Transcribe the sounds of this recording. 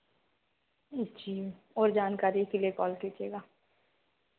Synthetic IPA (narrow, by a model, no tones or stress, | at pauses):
d͡ʒiː | ɔːɾd͡ʒaːnkaːɾiekeliekɔːlkiːt͡ʃeːɡaː